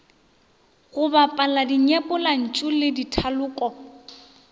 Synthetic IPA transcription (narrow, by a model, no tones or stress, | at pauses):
ɣʊbapʼaladiɲɛpʼʊlan̩t͡ʃʼulɪditʰalʊːkʼɔ